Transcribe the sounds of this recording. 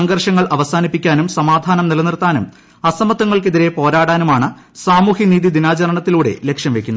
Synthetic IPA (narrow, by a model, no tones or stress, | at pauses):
ɐŋɡɐrʂɐŋːɐɭʔɐʋɐsaːnipːikʲːaːnumsɐmaːd̪ʱaːnɐmnilɐnirt̪aːnum | ɐsɐmɐt̪ːɐŋːɐɭkeðiɾe̞po̞ːɾaːɽaːnumaːɳɨ | saːmuːhiniːd̪id̪inaːt͡ɕɐɾɐɳɐt̪ːiluːɽe̞̰le̞kʂjɐmʋe̞kʲːunːɐ